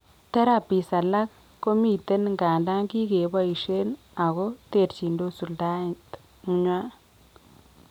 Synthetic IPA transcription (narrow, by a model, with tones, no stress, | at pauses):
t̪a˦ɾa˨pi˨sa˨la˦k | kːo˦mi˨t̪e˦nŋɡaː˨nda˦ŋɡi˦ɡe˨ba˦i˨ʃe˦n | a˨ɣo˦t̪e˨ɾt͡ʃi˨ndo˦su˨lda˦t | ŋ˦ɲwa˦